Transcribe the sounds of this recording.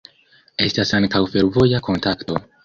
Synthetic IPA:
e̞stasaŋkawfe̞ɾvo̞jakʰo̞ntakto̞

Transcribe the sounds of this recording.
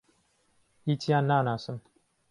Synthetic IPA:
itianːaːnasəm

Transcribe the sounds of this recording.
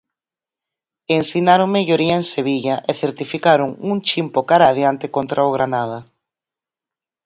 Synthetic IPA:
ensinaɾoŋmeʎoɾiɐenseβiʎɐʔeθeɾt̪ifikaɾʊŋuŋt͡ʃimpokaɾaðjant̪ekont̪ɾʔaoɣ̞ɾanaðɐ

